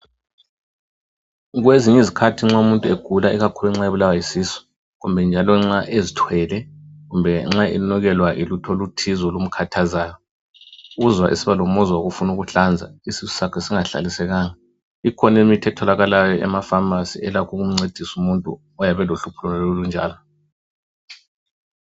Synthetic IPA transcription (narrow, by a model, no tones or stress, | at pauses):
ɣweziɲizikʰatʰiŋ͡ǁaumuntʼueɡ̥ʱulaiɣakʰuluɛŋ͡ǁaeβulawajisiːsɔ̥ | ɣumbʱɛnd͡ʒʱalɔŋ͡ǁaʔezitʰwɛlɛɣumbʱɛŋ͡ǁaḭnɔɣɛlwaʔilutʰolutʰizɔlum̩kʰatʰazaːjɔ | ɣuzwaʔḭsiβalomɔzwaɣufunuɣuɬand͡zʱa̰isisu̥sakʰɛsiŋaɬa̰lisɛɣaːŋa | ikʰɔnemitʰɛtʰɔlaɣalajɔʔɛ̰mafamasiɛlakʰɔɣum̩ŋ͡ǀed̥ʱisumuntʼṵ | ɔjaβɛloɬupʰulɔnɛlolund͡ʒʱa̰ːlɔ